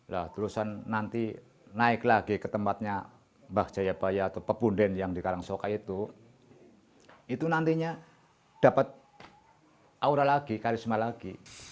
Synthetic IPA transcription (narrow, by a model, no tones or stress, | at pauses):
laht̪ulusanːant̪i | naɪklaɡikət̪əmpat̪̚ɲa | bahd͡ʒ̥ajab̥ajaːt̪awpəpundɛnjaŋdikaɾaŋsokait̪u | it̪unant̪iɲa | d̥apat̪̚ | ʔauɾalaɡikaɾismalaɡi